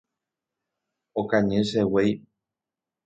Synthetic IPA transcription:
okãɲẽʃewej

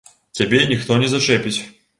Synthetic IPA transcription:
t͡sʲabʲɛnʲixt̪ɔnʲɛzɐʂɛpʲit͡sʲ

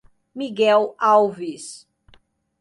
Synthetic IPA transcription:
miɡɛwawvis

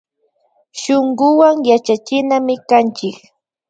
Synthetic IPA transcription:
ʃoɴɢʊwaŋjat͡ʃat͡ʃɪnamɪkant͡ʃɪk

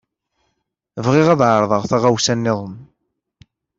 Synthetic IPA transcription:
vʁɪʁæðʕəɾˤðˤəʁθæʁawsænːɪðˤəm

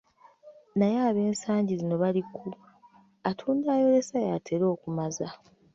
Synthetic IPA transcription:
najaːβe̞ːnsaːɲɟizino̞βalikʰu | atʰuːndaːjo̞ɾe̞sajaːtʰe̞ɾo̞ːkumaza

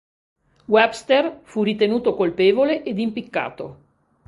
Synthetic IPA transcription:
wɛbst̪erfurit̪enuːt̪okolpeːvoleʔed̪impikːa̰ːt̪o

